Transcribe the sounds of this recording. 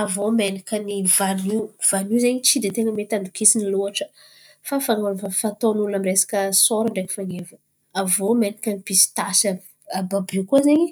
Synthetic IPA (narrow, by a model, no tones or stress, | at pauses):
avomenikʲənivanuv̥anjuzeɲit͡sid̪et̪eŋəmet̪and̪ukisiniluaʈ͡ʂə̥ | fafaŋonfafat̪onuulamiresḁkʲəsoɾaɳɖ͡ʐekə̥faŋevə | avomenikʲənipisi̥t̪asə | ababukuazeɲi